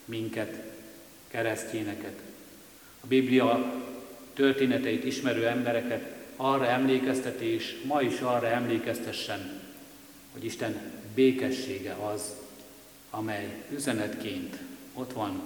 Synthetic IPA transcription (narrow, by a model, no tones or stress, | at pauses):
miŋkɛt̪ | kɛɾɛsceːnɛkɛt̪ | ɒbiblijɒ | t̪ørt̪eːnɛt̪ɛit̪iʃmɛɾøːɛmbɛɾɛkɛt̪ɒrːɒɛmleːkɛst̪ɛt̪eːʃmɒiʃɒrːɒɛmleːkɛst̪ɛʃːɛn | ho̞̰ɟiʃt̪ɛnbeːkɛʃːeːɡɛɒz | ɒmɛjyzɛnɛt̪keːnt̪o̞t̪ʋɒn